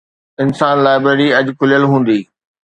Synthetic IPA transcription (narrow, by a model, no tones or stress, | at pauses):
ɪnsaːnlaːɪbɾeːɾiɐd͡ʑkʰʊlijəlɦũːn̆d̪iː